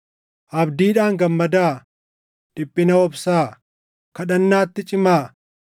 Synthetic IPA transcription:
ʔɐbd̪iːᶑaːŋɡɐmːɐd̪aː | ᶑ̥ɪpʼːɪnɐɔbsaː | kɐᶑɐnːaːt̪ːɪt͡ʃʼɪmaː

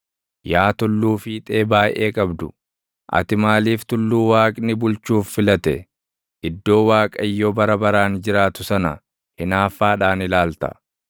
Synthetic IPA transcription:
jaːt̪ʊlːuːfiːt̪ʼe̞ːbaːjʔe̞ːkʼɐbd̪ʊ | ʔɐ̰t̪ɪmaːliːft̪ʊlːuːwaːkʼnɪbʊlt͡ʃuːfːɪlɐt̪ɛ | ʔɪd̪ːo̞ːwaːkʼɐɪjːobɐɾɐbɐɾaːnd͡ʒɪɾaːt̪ʊsɐnɐ̰ | hɪnaːfaːᶑaːnɪlaːlt̪ɐ̰

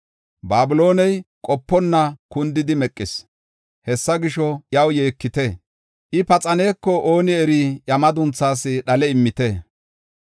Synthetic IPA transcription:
baːbʊlo̞ːnɛjkʼɔpːɔnːɐkʊnd̪ɪd̪ɪmɛkʼːɪs | hɛsːɐɡɪʃɔjɐwje̞ːkːɪt̪e | ʔɪpɐt͡sʼɐne̞ːkːɔʔoːnɪɛɾijɐmɐd̪ʊnt͡sːaːsɪɗɐlɛɪmːɪt̪e

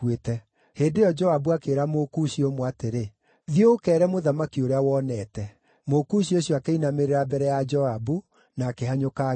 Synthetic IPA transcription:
wetɛ | heːndeɔd͡ʒɔabuakeɾamokuɕiomwateɾe | ðioːkɛɾɛmoðamakioɾeawɔnɛtɛ | mokuɕioɕjoakeinameɾeɾabɛɾɛjad͡ʒɔabu | naːkeɦaɲoka

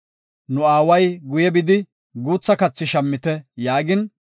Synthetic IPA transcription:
nʊaːwɐjɡʊjɛbɪd̪ɪ | ɡuːt͡sːɐkɐt͡sːɪʃɐmːɪt̪ɛjaːɡɪn

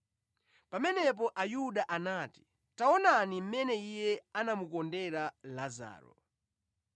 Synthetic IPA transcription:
pamɛnɛp̬ɔʔajuɗaʔanaːti̥ | taɔnanim̩mɛnɛijɛanamukɔndɛɾalaza̰ːɾɔ̰

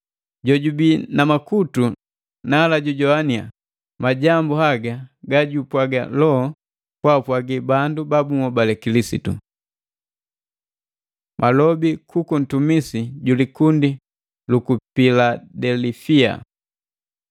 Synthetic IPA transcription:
ɟɔɟubinamakutu | naːlaɟuɟɔania̰ | maɟambuhaɡaɡaɟupwaɡa̰lɔɔ | pwapwaɡibandubabumɔbalɛkilisḭtṵ | mʔalɔbikukun̩tumisiɟulikundi | lukupiladɛlifia̰

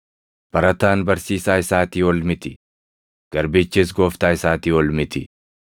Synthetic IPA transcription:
b̥ɐɾɐt̪aːnbɐɾsiːsaːɪsaːt̪iːɔlmɪt̪ɪ | ɡ̥ɐɾbeːt͡ʃːeːs̬ɡoːft̪aːɪsaːt̪iːwɔlmɪt̪ɪ

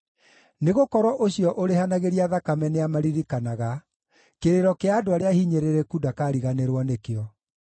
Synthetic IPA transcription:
neɣokɔɾwɔʔoɕiɔʔoɾehanaɣeɾiaðakamɛneamaɾiɾikanaɣa | keɾeɾɔkeadoaɾeahiɲeɾeɾɛkudakaːɾiɣaneɾwɔnekeɔ

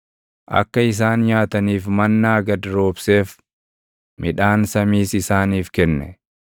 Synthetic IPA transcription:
ʔɐ̰kːɐɪs̬aːnjaːt̪ɐniːfmɐnːaːɡɐd̪ɾo̞ːbse̞ːf | mɪᶑaːnsɐmiːsɪsaːniːfkɛnːɛ

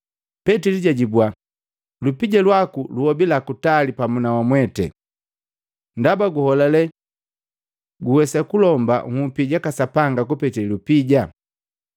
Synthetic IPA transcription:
pɛtiliɟaɟibwa | lupiɟalwakuluhɔbilakutalipamunawamwɛtɛ̰ | ndabaɡuhɔlalɛ | ɡuwɛsakulɔmba̰ŋupiɟakasapaŋɡakupɛtillupiɟa

